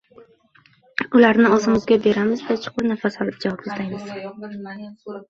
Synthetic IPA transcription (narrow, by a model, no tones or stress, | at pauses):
ʊlaɾnɪɒzɪmʊzɡʲabe̞ɾamɪzd̪at͡ʃʰʊ̥qʊnafasɒlˠɪp̚d͡ʒavɒpɪsajmɪz̥